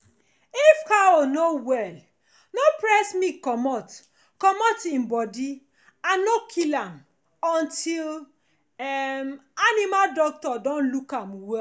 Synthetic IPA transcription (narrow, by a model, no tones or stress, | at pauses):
ifkaonowɛl | nopɹɛsmikɔmɔt | kɔmɔtĩmbɔdi | annokʰilãm | ɔ̃ntʰil | ɛmanimaldɔk̚tɔdɔ̃nlukãmwɛ